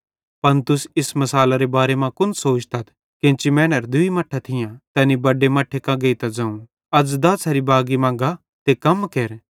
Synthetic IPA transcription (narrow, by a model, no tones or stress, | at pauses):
pɐnt̪ʊsɪsmɐsaːlaɾebaːɾemãkʊnsoːt͡ʃt̪ɐt̪ʰ | kẽːt͡ʃimɛ̃ːnəɾd̪ʊimɐʈʰːat̪ʰɪjãt̪ɛːnibɐɖemɐʈʰːekɐ̃ɡeit̪ɐd͡zɐ̃ːũ | ɐd͡zd̪ɐsɐɾibaːɡimãːŋɡa | t̪ekɐmkeɾ